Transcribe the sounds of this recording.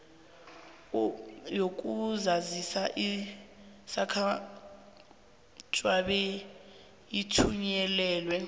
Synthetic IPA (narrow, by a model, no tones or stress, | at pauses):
jok̬ʼuzazisaʔi | sakʰa | t͡ʃʼwaɓɛ | jitʰuɲɛlɛːlwɛ